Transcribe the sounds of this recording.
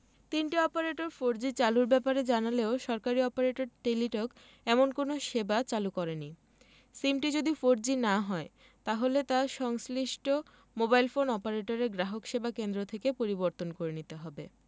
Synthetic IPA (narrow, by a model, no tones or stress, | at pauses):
t̪inʈiɔpaɾeʈoɾfoɾd͡ʑit͡ɕaluɾbɛpaɾed͡ʑanaleoʃɔɾkaɾiɔpaɾeʈoɾʈeliʈok | ɛmonkonoʃebat͡ɕalukɔɾeni | simʈid͡ʑod̪ifoɾd͡ʑinaɦɔe | t̪aɦolet̪aʃɔŋsliʃʈʰo | mobajlfonɔpaɾeʈoɾeɾɡɾaɦokʃebakend̪ɾot̪ʰekepoɾiboɾt̪onkoɾenit̪eɦɔbe